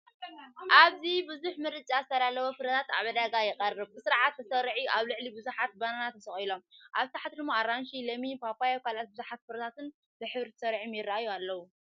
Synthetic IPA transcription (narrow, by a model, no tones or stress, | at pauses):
ʔaβzibɨzuħmɨɾɨt͡ʃʼazɨt̪ʰɐɾalɐwofɨɾɐt̪ʰat̪a̰βɐd̪aɡajɪqʼɐrːɨβkɨsɨɾʕat̪ːɐsɐɾʕiʔaβlɨʕlibɨzuħat̪̚bananat̪ʰːɐsɐχʼilo̞mʔaβt̪ʰaħat̪lɨmoaɾanʃilɐmibafajokʰalat̪̚bɨzuħat̪̚fɨɾɐt̪ʰat̪ɨn | bɨħɨβɾit̪ʰɐ̥sɐɾʕimjɪrːaʔajualːɐwu